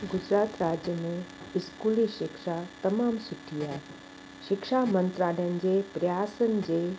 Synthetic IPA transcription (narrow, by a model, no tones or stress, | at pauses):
ɡʊd͡ʑɾaːt̪ɾaːd͡ʑjəmẽ | ɪskuːliʃɪkʃat̪ɐmaːmsʊʈʰiaːɦe | ʃɪkʃamə̃nt̪ɾaːlənɪ̆d͡ʑeːpɾɐjaːsənɪ̆d͡ʑeː